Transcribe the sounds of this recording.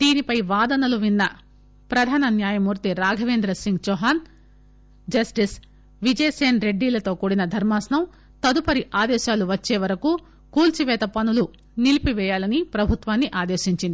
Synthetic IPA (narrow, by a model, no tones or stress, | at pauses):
d̪̥iːnipɐjʋaːd̪ɐnɐluʋinːɐ | pɾɐd̪ʱaːnɐnjaːjɐmuːɾt̪iɾaːɡʱɐʋeːnd̪ɾɐsiŋɡt͡ʃɔɦaːn | d͡ʒɐsʈis | ʋid͡ʒɐjseːnɾe̞ɖːiːlɐt̪o̞ːkuːɽinɐd̪ʱɐɾmaːsnɐm | t̪ɐd̪upɐɾiʔaːd̪ɛːʃaːluʋɐt͡ʃːeːʋɐɾɐku | kuːlt͡ʃiʋɛːt̪ɐpɐnulu | nilipiʋɛːjaːlɐnipɾɐbʱut̪ʋaːnːiʔaːd̪eːʃiɲt͡ʃind̪i